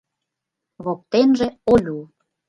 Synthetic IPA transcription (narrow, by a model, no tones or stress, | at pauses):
βok̚t̪enʒeolʲu